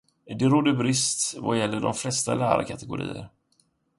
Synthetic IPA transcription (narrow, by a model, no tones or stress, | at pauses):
d̪ɛɾɔd̪əbɾɪst̪vajɛlːəɖɔmflɛst̪alæːɾakʰat̪ɛɡʊɾḭːə̰ɾ